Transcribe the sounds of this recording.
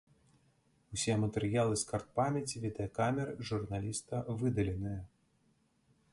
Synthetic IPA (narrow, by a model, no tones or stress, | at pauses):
usʲɛmɐt̪ɛɾɨjalˠɨskart̪̚pamʲɛt͡sʲivʲid̪ɐjɐkamʲɛɾɨʐurnalʲist̪ɐvɨd̪ɐlʲɛnɨjɐ